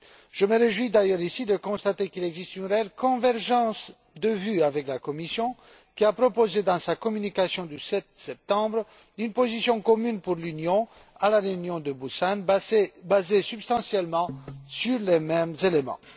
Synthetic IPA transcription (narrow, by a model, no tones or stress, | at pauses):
ʒ̥əməʁeʒwid̪ajœʁisid̪əkɔ̃st̪at̪ekilɛɡzist̪ynʁeɛlkɔ̃vɛʁʒɑ̃s | d̪əvyavɛklakɔmisjɔ̃ | kʲiapχɔpozed̪ɑ̃sakɔmynikasjɔ̃d̪ysɛt̪sɛp̚t̪ɑ̃bʁ | ynpozisjɔ̃kɔmynpuʁlynjɔ̃ | alaʁeynjɔ̃d̪əbusanbazesybst̪ɑ̃sjɛlmɑ̃syʁlemɛmzelemɑ̰̃